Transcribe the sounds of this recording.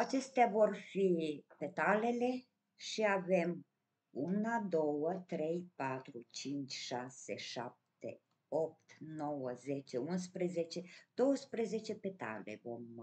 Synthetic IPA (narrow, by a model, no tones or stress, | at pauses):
at͡ʃe̞st̪eavo̞rfipe̞t̪ale̞le̞ | ʃiave̞m | unad̪o̞wət̪ɾe̞jpat̪ɾut͡ʃint͡ʃʲʃase̞̰ʃa̰p̚t̪ḛ | o̞p̚t̪no̞wəzet͡ʃeuns̬pɾezet͡ʃe̞d̪̥o̞wəspɾeze̞t͡ʃe̞pe̞t̪a̰lḛvo̞m